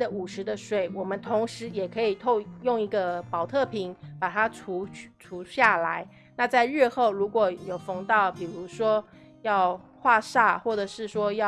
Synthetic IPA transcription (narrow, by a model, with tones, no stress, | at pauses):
ə˨u˨˩ʂɻ̩˧˦d̪ə˧ʂwe˨˩˦ɪwɔ˨˩mə˦nt̪ʰʊ˧˥ŋʂɻ̩˧˥jɛ˨˩kʰɤ˧˥i˨˩t̪ʰo˥˧jʊ˥˩ŋi˧˥ɡə˧pɑ˨˩ʊt̪ʰɤ˥˩pʰi˧˦ŋpa˨˩t̪ʰa˥ʈ͡ʂʰu˧˥ʈ͡ʂʰu˧˥ɕja˥˩la˧˦ɪ | na˥˧t͡sa˥˧ɪɻɛ˥˧xo˥˩ʊɻu˧˥kwɔ˨˩jo˨˩ʊfɤ˧˥ŋt̪ɑ˥˩ʊpi˨˩ɻu˧˥ʂwɔ˥ | jɑ˥˧ʊ | xwa˥˧ʂa˥˧xwɔ˥˩ʈ͡ʂə˨˩ʂɻ̩˥˩ʂwɔ˥jɑ˥